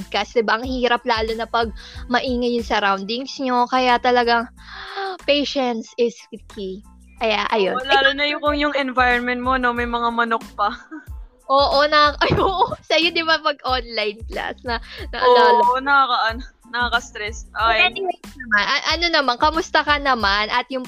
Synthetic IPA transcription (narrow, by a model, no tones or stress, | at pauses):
d̪̚kɐsd̪ɪbaʔɐŋhiːɾɐp̚laːlo̞nɐpɐɡ̚mɐʔiːŋɐjʊnsɐɾawnd̪ɪŋsɲo̞kɐjat̪ɐlɐɡaŋ | pɛjʃɛnt̪sɪskɪki | ʔɐjaʔɐjolaːlonɐjʊkʊŋjʊŋɛnvajɾɛnmɛnt̪̚mono̞mɐjmɐŋamɐnok̚pɐ | ʔoːʔo̞nɐɐʔoʔsɐjod̪ɪbamɐɡ̚ʔonlajnkla̰snɐnɐʔɐlaːlɐonɐkakaʔɐno | nɐkɐkɐst̪ɾɛsʔajɛd̪ɪɐjnɐmanʔɐʔɐno̞nɐmankɐmʊst̪ɐkɐnɐmanʔɐt̪̚jʊŋ